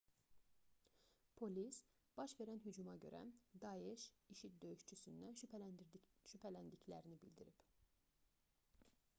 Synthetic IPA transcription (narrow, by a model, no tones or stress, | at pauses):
pʰo̞lis | b̥ɑʃve̞ɾænɦyd͡ʒumɑɟø̞̰ɾʔæ̰d̪ɑeʃiʃit̪̚d̪ø̞jyʃt͡ʃʰysynd̪æn | ʃypʰælænd̪iclæ̰ɾinibild̪iɾip